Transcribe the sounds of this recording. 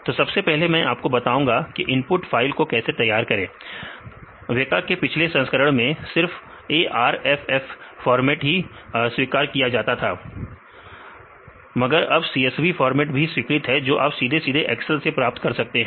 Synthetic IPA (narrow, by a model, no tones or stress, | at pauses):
t̪oːsɐbsepɛɦlemɛ̃ʔaːp̚kobɐt̪aːũːŋɡakiʔɪ̃npʊʈfaːɪlkokɛːset̪ɐjːaːɾkɐɾẽː | ʋekaːkepɪt͡ʃʰlesɐ̃nskəɾəɽ̃mẽsɪɾf | eːʔaːɾɛːfɛːfːɔːɾmɛːʈɦiswiːkaːɾkijad͡ʒaːt̪at̪ʰaː | mɐɡəɾɐbsiːɛsʋifɔːɾmɛːʈbʱiswɪkɾɪt̪ɦɛd͡ʒoːʔa̰ːpsiːd̪ʱesiːd̪ʱeʔɛːksəlsepɾaːp̚t̪kɐɾsɐk̚t̪eɦɛ̃ː